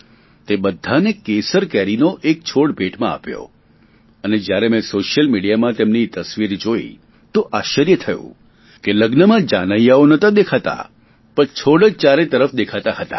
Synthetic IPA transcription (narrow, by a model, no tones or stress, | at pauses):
t̪ebəd̪ʱːanekesəɾkɛɾinoʔek̚t͡ʃʰoɽbeʈmãa̰pjo̰ | əned͡ʒjaɾemɛ̃soʃjəlmiɽijamãt̪emnit̪əsʋiɾd͡ʒoḭ | t̪oʔaʃəɾjət̪ʰəjṵ̃ | keləɡnəmãd͡ʒanəjaonət̪ãd̪ekʰat̪a̰ | pəɳt͡ʃʰoɽəd͡ʒt͡ʃaɾet̪əɾəfd̪ekʰat̪ahət̪ḁ̰